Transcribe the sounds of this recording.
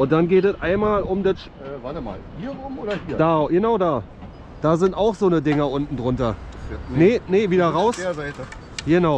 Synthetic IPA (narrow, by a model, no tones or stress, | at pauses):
ʔʊnt̚d̥anɡeːtɛtʔaɪnmaːlʊmdɐtː | vatma̰ːlhiːɐʊmoːdɐhiːɐd̥aːjənaʊdaː | d̥aːzɪntaʊxz̥oːnədɪŋɐʔʊntn̩dʁʊntɐnenəviːdɐʁaʊszaɪ | ɡənaʊ